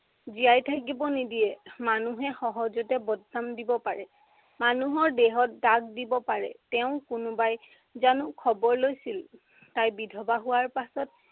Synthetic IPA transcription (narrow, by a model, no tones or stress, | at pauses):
zijajtʰakibɔnidijɛmanuɦɛxɔɦɔzɔtɛbɔdnamdibɔpaɹɛ | manuɦɔɹdɛɦɔt̚daɡdibɔpaɹɛ̰tɛʊ̃kʊnʊbaj | zanʊkʰɔbɔɹlojsil | tajbidʱɔbaɦʊwaɹpasɔt̚